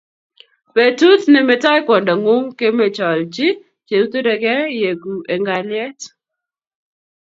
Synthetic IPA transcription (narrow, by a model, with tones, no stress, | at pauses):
pe˨tu˦t̪nɛ˨mɛ˨ta˦jkwɔ˨ndɔ˨ŋʊ˦mke˦me˨t͡ʃɔ˨lt͡ʃi˦ | t͡ʃe˨u˦t̪o˦ɾɛ˨ɡɛ˦je˨ɡu˨ʔe˨ŋɡa˨lɪɛ˦t